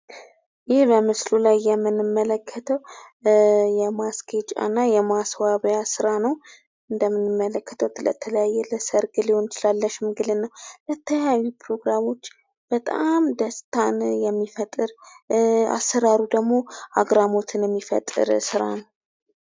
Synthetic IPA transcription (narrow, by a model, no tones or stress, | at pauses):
jɪbəmɨslulajːɛmːɨnɨmːələkʰːət̪ʰəw | jɛmaskʰet͡ʃʼa̰nːajɛmaswaβjasɨɾanəw | ɨnd̪əmːɨnɨmːələkːə̥t̪ʰəwt̪ʰlə̰t̪ʰələjajːɛləsəɾɡɨlehont͡ʃʰɨlalːəʃɪmɡɨlenːəwlət̪ʰːəawipʰɾo̞ɡɾamo̞t͡ʃː | b̥ət̪ʼamd̪əst̪ʰanjɛmːifət̪ʼɨɾ | a̰sːəɾaɾud̪əɡmo̞ʔaɡɾamo̞t̪ʰɨnjɛmːifə̰t̪ʼːɨ̰ɾsɨɾa̰nəw